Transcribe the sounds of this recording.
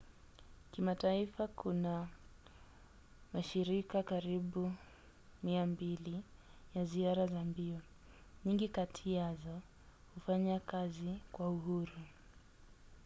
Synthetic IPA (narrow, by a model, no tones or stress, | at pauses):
kimataifakʰuna | maʃiɾikakaɾiɓu | miambilijaziaɾazambiɔ | ɲiŋɡikatʰiazɔ | hufaɲakazikwauɦuɾu